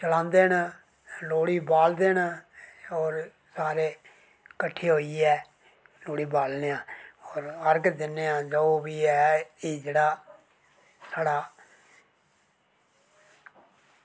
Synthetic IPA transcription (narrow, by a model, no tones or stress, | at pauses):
t͡ʃəlãːnd̪eːn | loːɽiːbaːld̪eːn | ɔːɾ | saːɾeː | kəʈʰːeːɦoːiːɛː | loːɽiːbaːlnejãːɔːɾəɾɡd̪ɪneːãːd͡ʒooːbiːɛːiːd͡ʒeːɽaː | saːɽaː